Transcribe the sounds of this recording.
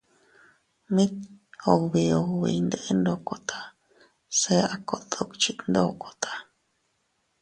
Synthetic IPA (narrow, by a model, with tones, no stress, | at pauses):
mĩ˦t̪o˧˨kβi˧o˧kβḭ˨˧nd̪e˧ʔe˦nd̪o˧˨ko˨t̪ʰḁ˨ | se˦a˨˧ko˨ʔt̪o˦kt͡ʃi˦nd̪o˦˨ko̥˨t̪ʰḁ˧